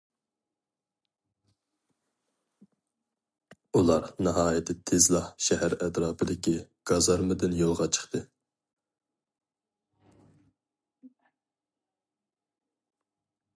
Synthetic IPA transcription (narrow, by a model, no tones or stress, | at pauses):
ulˠɑɾnɨɦɑːjɛt̪ʰɪt̪ʰezlˠɑhʃɛhæɾɛt̪ɾɑːpʰɪd̪ɪkʲʰiɡ̥ɑzɑɾmɨd̪ɨnjolˠʁɑt͡ʃʰə̥χt̪ʰɨ